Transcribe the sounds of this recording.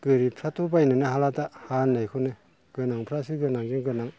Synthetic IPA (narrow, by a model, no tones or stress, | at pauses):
ɡ̥ɯɾipʰɾatʰubajnɯnɯɦalatahanajkʰɯnɯ | ɡ̥ɯnaŋpʰɾasɯɡɯnaŋd͡ʒɯŋɡɯnaŋ